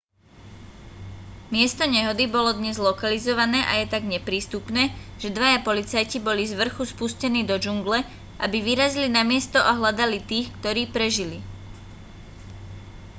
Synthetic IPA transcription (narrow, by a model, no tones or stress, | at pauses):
mɪɛst̪ɔɲɛɦɔd̪ibɔlɔd̪ɲɛzlɔkalizɔʋanɛːʔa̰jɛt̪aɡɲɛpɾiːst̪upnɛːʒ̥ɛd̪ʋajapɔlit͡sajcibɔlizʋr̩xuspuscɛniːd̪ɔd͡ʒuŋɡlɛ | ʔabiʋiɾazilinamɪɛst̪ɔʔaɦlad̪alit̪iːxkt̪ɔɾiːpɾɛʒili